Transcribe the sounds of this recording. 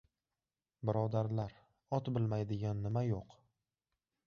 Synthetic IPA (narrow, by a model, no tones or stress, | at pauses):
bɪɾɒd̪aɾlaɾ | ɒt̪bɪlmajd̪ɪɡʲanːɪmajoq